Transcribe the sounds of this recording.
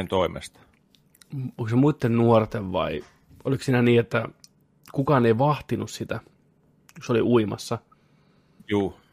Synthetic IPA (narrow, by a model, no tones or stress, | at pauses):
nt̪oimḛst̪ɑ̥ | oŋksemuit̪ːennuort̪eʋʋɑ̰i | ʔoliksiːnæniːet̪ːæ | kukɑːneiʋɑht̪inussit̪æ | josoliʔuimɑ̰sːɑ | juː